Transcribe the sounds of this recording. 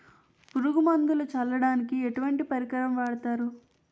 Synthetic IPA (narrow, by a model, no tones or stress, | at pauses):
puɾuɡumɐŋɡulut͡ʃɐlːɐɽaːnikieʈuʋɐɳʈipɐɾikɐɾɐmʋɛːɽɐt̪aːɾu